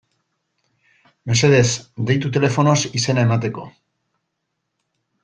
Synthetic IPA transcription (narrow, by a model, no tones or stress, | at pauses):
me̞se̞ð̞e̞sd̪e̞jt̪̬ut̪e̞le̞fo̞no̞sise̞nae̞mat̪e̞ko̞